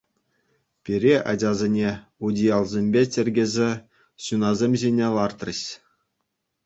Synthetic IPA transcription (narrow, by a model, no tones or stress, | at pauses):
pʲiɾʲeʔɑ̰d͡ʑʲɑzʲenʲeudʲijɑlˠzʲemʲbʲetʲɘ̆rʲɡʲĕzʲe | ɕunɑzʲemʲʑenʲeʋɑrt̪rɤ̰̆ɕ